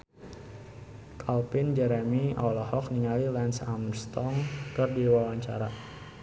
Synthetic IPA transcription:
kʰalpɪnd͡ʒɛɾɛmiɔlɔhɔk̚niŋalilɛnsamərst̪ɔŋkɨrdiwawaɲt͡ʃa̰ɾa

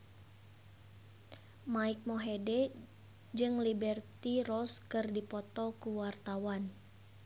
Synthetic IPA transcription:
maik̚mɔɦedɛ | d͡ʒɨŋlibɛrt̪irɔskɨrdipɔt̪ɔkuwart̪awan

